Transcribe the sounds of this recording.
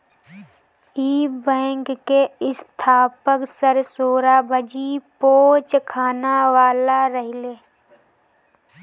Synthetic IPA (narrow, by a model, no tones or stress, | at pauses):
iːbɛ̃ːŋkkeɪst̪ʰaːpəksəɾsoːɾabəd͡ʒipoːt͡ʃkʰaːnaʋaːlaɾəɦɪleː